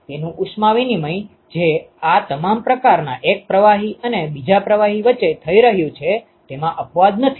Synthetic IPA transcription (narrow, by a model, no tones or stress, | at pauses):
t̪enũʔuʃmaʋinimə̃i | d͡ʒeat̪əmampɾəkaɾnaʔek̚pɾəʋaɦiənebid͡ʒapɾəʋaɦiʋət͡ʃːet̪ʰəiɾəɦjũt͡ʃʰe | t̪emãʔəpʋad̪nət̪ʰi̥